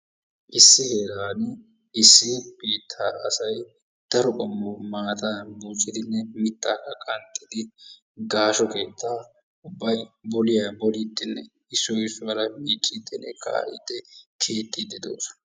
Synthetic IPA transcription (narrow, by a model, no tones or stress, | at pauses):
ʔɪsːɪheːɾaːn | ɪsːɪb̥iːt̪ʰːaːɐ̰sɐj | d̪̥ɐɾɔkʼɔmːɔmaːt̪aːbuːt͡ʃʼːɪd̪ɪnːɛmɪt̪ːaːkɐkʼɐnt̪ʼːɪd̪ɪ | ɡaːʃɔke̞ːt̪ːaː | ʊbːɐjbɔlɪjabɔlid̪ːɪnːɛ | ɪsːɔjsʊbɐlɐmiːt͡ʃʼːid̪ːɛnːɛkʰa̰ːʔɪ̰d̪ːɛkʰeːt̪ʼːid̪ɛd̪o̰ːs